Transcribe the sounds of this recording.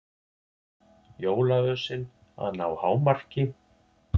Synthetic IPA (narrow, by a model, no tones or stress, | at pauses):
joːwlavœːsɪn | a̰ðnːawhaːwmar̥cɪ